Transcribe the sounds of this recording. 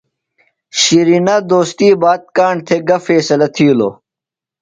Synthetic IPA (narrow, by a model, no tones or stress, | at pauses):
ɕiɾinɐd̪oːst̪iːbaːt̪̚kaːɳt̪ʰeɡɐfeːsɐlɐt̪ʰiːlo̰ː